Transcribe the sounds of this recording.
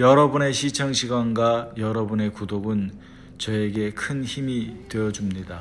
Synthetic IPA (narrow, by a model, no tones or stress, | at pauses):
jʌɾʌbune̞ɕʰit͡ɕʰʌŋɕʰiɡwanɡwajʌɾʌbune̞kudoɡɯn | t͡ɕʌe̞ɡe̞kʰɯnçimitwe̞jʌd͡ʑumɲida